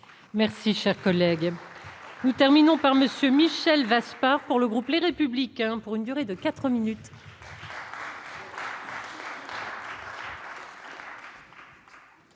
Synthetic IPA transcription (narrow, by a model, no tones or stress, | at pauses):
mɛʁsiʃɛʁkɔlɛɡ | nut̪ɛʁminɔ̃paʁməsjømiʃɛlvaspaʁpuʁləɡʁupleʁepyblikʲɛ̃puʁynd̪yʁed̪əkat̪χəminyt̪